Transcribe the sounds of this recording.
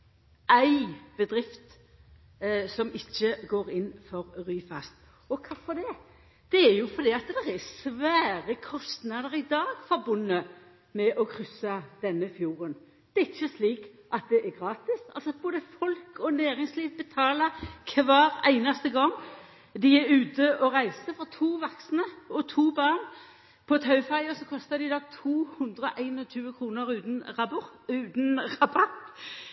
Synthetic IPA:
ʔæɪb̥əd̪ɾɪft̪ | sɔmɪçːəɡoːɾɪnːfɔɾɾyːfɑst̪ | ɔkʰɑfɔd̪ɛ | d̪̥ɛæɾjʊfɔɾd̪iːɑt̪d̪ɛɾɛsʋæːɾəkʰɔst̪nɑd̪əɾɪd̪ɑːɡ̥fɔɾbʊnːə | mɛʔɔkʰɾʏsːɑd̪̥ɛnːəfjuːɾən | d̪̥ɛæɪçːəsliːk | ʔɑt̪̚d̪ɛʔæɡʁɑːt̪ɪsɑ̰lsɔboːd̪əfɔlkɔnæːʁɪŋsliːʋbət̪ʰɑːlɑkʰʋɑːʁæ̰ɪnɑst̪əɡɔŋː | d̪ɪæɾʉːt̪əʔɔʁæɪsəfɔt̪ʰuːʋɑksnəɔt̪ʰuːbɑːʁn | pʰɔt̪ʰɑʉfɑɪɔsɔkʰɔst̪ɑd̪ɪd̪ɑːt̪ʰuːhʉnd̪ʁəʔæɪnɔt̪ʰyːəkʰʁuːnəɾʉːt̪nʁɑbʊʁʉːt̪nʁɑbɑt̪

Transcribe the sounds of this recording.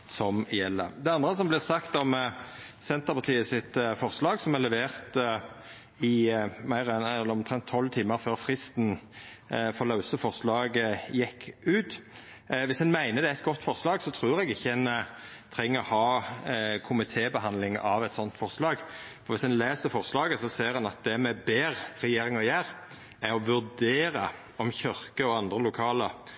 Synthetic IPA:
sɔmjɛlːə̰d̪ɛɑnd̪ʁəsɔmblɪʁsɑkt̪ɔm | sɛnt̪əʁpʰɑʁt̪ʰiːəsɪt̪fɔʁslɑːɡsɔmɛlɛʋeːʁt̪ə | ɪmæɪʁɛnɛlːəɔmt̪ʰʁɛnt̪ʰːɔlːt̪ʰiːməɾføːʁfʁɪst̪n | fɔlɑʉsəfɔʁslɑːɡəjɛkʰːʉːt̪ | ʋɪsɛnmæɪnəd̪ɛæɪt̪̚ɡɔt̪ːfɔʁslɑːɡsɔt̪ʰʁuːʁɛɡɪçːəɛn | t̪ʰɾɛŋːəɔhɑː | kʰʊmɪt̪ʰeːbəɦɑnd̪lɪŋɑʋɛt̪sɔnt̪fɔʁslɑːɡfɔʁʋɪsɛnleːsəfɔʁslɑːɡəsɔseːʁɛnɑt̪̚d̪ɛmɛbeːʁɾɛjeːɾɪŋɑjæːɾ | æɾɔʋʉʁd̪eːɾə | ɔmçœʁkəɔɑnd̪ʁəlʊkʰɑːlə

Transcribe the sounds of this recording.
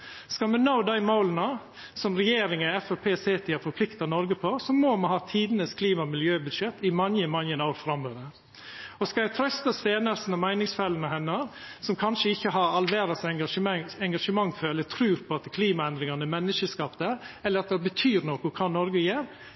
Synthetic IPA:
skɑmɛnaʊd̪æɪmaʊlnə | sɔmɾɛjeːɾɪŋəɛfɛpʰeːseːt̪ʰɪæɾfɔɾpʰlɪkt̪ɑnɔɾɡəpʰɔsɔmoːmɑnhɑːt̪ʰiːd̪ənəskʰliːmɑmɪljøːbʉd̪ʂɛt̪ːɪmɑnjəmɑnjənɑːɾfɾɑmød̪ə | ɔskɑjæɪt̪ʰɾœst̪ɑst̪eːnəɾsn̩ɔmæɪnɪŋsfɛlənəɦɛnːɑɾ | sɔmkʰɑnʂəɪçːəɦɑɾɑlʋeːɾɑsɛɑʂəmɛŋɡɑʂəmɑŋːføːɾɛlːət̪ʰɾʉːɾpʰɔɑt̪kʰliːmɑɛnd̪ɾɪŋɑnəmɛnːəʂəskɑpd̪əɛlːəɾɑt̪̚d̪ɛbət̪ʰyːɾnokʊkʰɑːnɔɾɡəjeːɾ

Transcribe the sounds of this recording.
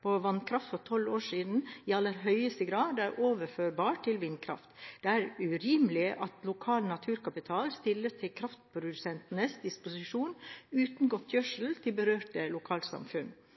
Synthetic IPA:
pʰɔʋɑnkʰɾɑft̪fɔɾt̪ʰɔloːʂiːd̪n̩iːɑlːəɾɦœʏəst̪əɡɾɑːd̪æɾʔoːʋəɾføːɾbɑːʈʰɪlʋɪnkʰɾɑ̰ft̪d̪̥ɛæɾʉɾiːmlɪʔɑt̪lʊkʰɑːlnɑt̪ʰʉːɾkɑpɪt̪ʰɑːlst̪ɪlːəst̪ʰɪlkʰɾɑft̪̚pʰɾʊd̪ʉsɛnt̪nəsd̪ɪspʊsɪʂuːnʉːt̪n̩ɡɔt̪ʰːjœʂl̩t̪ʰɪlbəɾøːʈəlʊkʰɑːlsɑ̰mfʉn

